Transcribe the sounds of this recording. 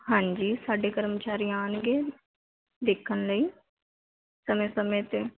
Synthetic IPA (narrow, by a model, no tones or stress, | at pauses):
ɦãːɲd͡ʒiːsaːɖeːkəɾmt͡ʃaːɾiaːnɡeː | d̪eːkʰːənləiː | səmẽːsəmẽːt̪eː